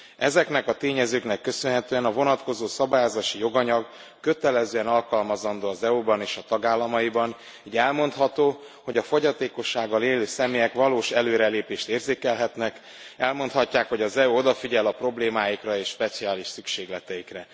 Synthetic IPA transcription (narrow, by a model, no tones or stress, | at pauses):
ɛzɛknɛkɒt̪eːɲɛzøːknɛkːø̞sønɦɛt̪øːɛnɒvo̞nɒt̪ko̞zoːsɒbaːjaːzaːʃijo̞ɡɒɲɒɡ | kø̞t̪ɛlɛzøːɛnɒlkɒlmɒzɒnd̪oːɒzɛubɒneːʃɒt̪ɒɡaːlːɒmɒjibɒn | iːɟɛlmo̞nt̪hɒt̪oː | ho̞ɟɒfo̞ɟɒt̪eːko̞ʃːaːɡːɒleːløːsɛmeːjɛkʋɒloːʃɛløːɾɛleːpeːʃt̪eːrzeːkɛlɦɛt̪nɛk | ɛlmo̞nt̪hɒcːaːkhoɟɒzɛuo̞d̪ɒfiɟɛlɒpro̞bleːmaːjikrɒeːʃʃpɛt̪siaːliʃsykʃeːɡlɛt̪ɛjikrɛ